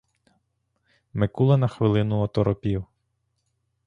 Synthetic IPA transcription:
mɪkulˠɐnɐxʋɪlˠɪnʊɔt̪ɔɾɔpʲiw

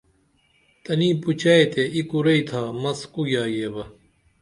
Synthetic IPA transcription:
t̪ɐniːput͡ɕaːet̪ʰeikuɾɐit̪ʰaːmɐskujaːjeːbɐ

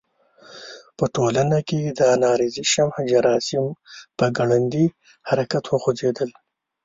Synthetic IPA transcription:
pəʈolanaked̪ənɑːɾiziʃamhd͡ʒaɾɑːsɪmpəɡaɽand̪i | haɾakat̪wəxozed̪əl

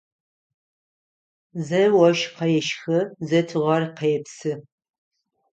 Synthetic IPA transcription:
zɐwɐʃqɐjɛʃxɐzɐtʰɨʁɐrqɐjɛpsɨ

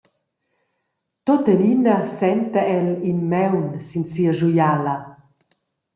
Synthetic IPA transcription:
t̪ot̪əninasɛnt̪əɛlinmɛwnsinsiəʒujala

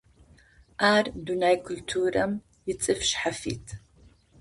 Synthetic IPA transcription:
ʔaːrdunajkʰʊltʰuːɾɐm | jɪt͡sʼɨfʃħafḭːt̪ʰ

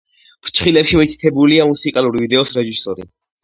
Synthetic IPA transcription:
pɾt͡ʃʰχilɛpʃimit̪ʰit̪ʰɛbuliamusikʼalˠuɾivid̪ɛɔsɾɛʒisɔɾḭ

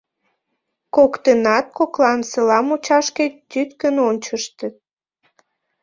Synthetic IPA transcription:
kokt̪ənɑt̪̚koklɑnsəlɑmut͡ɕɑʃket̪yt̪kənonʲt͡ɕəʃt̪ə

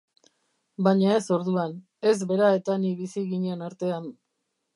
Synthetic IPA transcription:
baɲae̞so̞ɾðuan | e̞zβe̞ɾae̞t̪aniβisiɣiɲe̞naɾt̪e̞an

